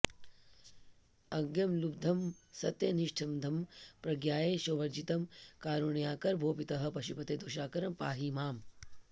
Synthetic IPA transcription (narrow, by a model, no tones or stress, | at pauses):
ɐɡjɐmlub̚d̪ʱɐmsɐt̪jɐniʂʈʰɐmd̪ʱɐmpɾɐɡjaːjeːʃoːʋɐɾd͡ʒit̪ɐmkaːɾuɳjaːkɐɾbʱoːpit̪ɐɦɐ̆pɐʃupɐt̪eːd̪oːʃaːkɐɾɐmpaːɦimaːm